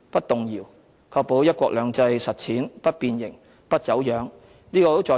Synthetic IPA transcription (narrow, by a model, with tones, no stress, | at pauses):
pɐ˥t̚t̪ʊ˨ŋjiː˨˩w | kʰɔː˧k̚po˨˥wjɐ˥t̚kʷɔː˧k̚lœː˨˧ŋt͡sɐ˧jsɐ˨t̚t͡sʰiː˨˥npɐ˥t̚piː˧njɪ˨˩ŋ | pɐ˥t̚t͡sɐ˨˥wjœː˨˥ŋ | niː˥kɔː˧t̪o˥wt͡sɔː˨˧